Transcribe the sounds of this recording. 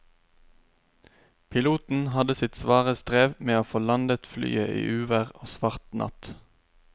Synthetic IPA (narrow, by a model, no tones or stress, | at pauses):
pʰɪluːt̪n̩hɑd̪əsɪt̪sʋɑːʁəst̪ʁeːʋmeːoːfoːlɑnd̪ət̪fly̰ːəʔḭːʔʉːʋəʁoːsʋɑʁt̪nʔɑ̰t̪